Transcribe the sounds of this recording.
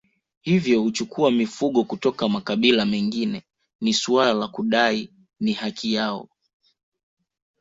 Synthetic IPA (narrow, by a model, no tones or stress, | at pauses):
hivjɔhut͡ʃukʰuamifuɠɔkutɔkamakaɓilamɛŋɡinɛ | nisualalakuɗai | nihakijaɔ̰